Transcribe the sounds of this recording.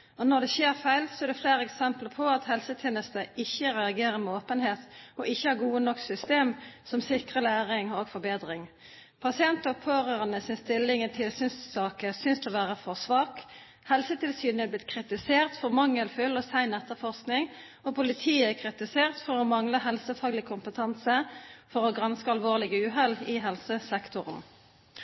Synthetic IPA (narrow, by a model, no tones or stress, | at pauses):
ɔnɔʁd̪ɛçeːʁfæɪlsɔɛʁd̪ɛfleːɾəɛksɛmpləpʰɔɑt̪hɛlsət̪ʰɛːnəst̪əɪçːəʁɛɑɡeːɾəɾmɛoːpənheːt̪ɔʔɪçːəhɑːɡuːənɔksʏst̪eːmsɔmsɪkʁəlæːʁɪŋoːɡfɔɾbeːd̪ʁɪŋ | pʰɑsɪɛnt̪ɔpʰoːʁøʁənəsɪnst̪ɪlːɪŋənt̪ʰɪlsyːnsːɑːkəsʏnsd̪ɛɔʋæːʁəfɔʁsʋɑːk | hɛlsət̪ʰɪlsyːnɛblɪt̪kʰʁɪt̪ɪseːʁt̪fɔʁmɑŋːəlfʏlɔsæɪnɛt̪ːəʁfɔʁsknɪŋ | ɔpʰʊlɪt̪ʰiːəɛkʰʁɪt̪ɪseːʁt̪fɔʁɔmɑŋləɦɛlsəfɑːɡlɪkʰʊmpət̪ʰɑnsəfɔʁɔːɡʁɑnskəɑlʋoːʁlɪɡʉːɦɛlɪɦɛlsəsɛkt̪ʰʊʁən